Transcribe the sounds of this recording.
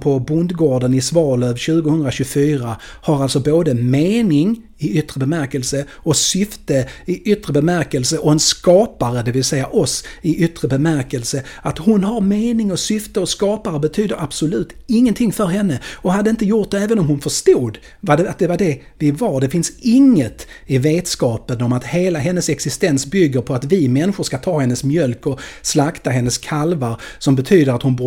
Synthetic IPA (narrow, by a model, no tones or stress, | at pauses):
pʰɔbʊnd̪ɡoːɖənɪsvɑːløːvɕʉ̟ːɡʊhɵnd̪ɾaɕɵɡfyːɾa | haɾalt̪sɔboːd̪əmeːnɪŋ | ɪʏt̪ːɾəbɛmæɾkəlsə | ɔsʏft̪əɪʔʏt̪ːɾəbɛmæɾkəlsəʔɔɛnskɑːpaɾəd̪ɛvɪlsɛjːaʔɔsɪʔʏt̪ːɾəbɛmæɾkəlsəat̪hʊnɦaɾmeːnɪŋɔsʏft̪əɔskɑːpaɾəbɛt̪ʰyːd̪əɾab̥sʊlʉ̟ːt̪ɪŋːənt̪ʰɪŋːfœɾɦɛnːəɔɦad̪ːəɪnt̪əjʊʈ̚d̪ɛɛːvənɔmhʊnfœʂt̪uːd̪ | vad̪ɛat̪̚d̪ɛvaɖɛ | vɪvaɾɖ̪ɛfɪnsɪŋːət̪ | ɪveːt̪skɑːpənɔmat̪heːlaɦɛnːəsɛksɪst̪ɛnsbʏɡːəɾpʰɔat̪vɪmɛnːɪɧʊʂkat̪ʰɑːhɛnːəsmjœlkɔslakt̪aɦɛnːəskʰalvaɾsɔmbɛt̪ʰyːd̪əɾat̪hʊnbu